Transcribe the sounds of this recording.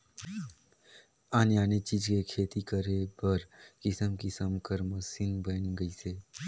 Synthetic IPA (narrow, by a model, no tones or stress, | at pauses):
aːnjaːnet͡ʃiːd͡ʒkekʰeːt̪ikəɾepəɾkɪsəmkisəmkəɾməsinbənɡəiseː